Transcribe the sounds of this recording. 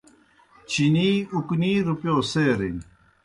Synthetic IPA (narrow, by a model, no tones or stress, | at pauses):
t͡ɕʰiniːukniːɾupjoːseːɾin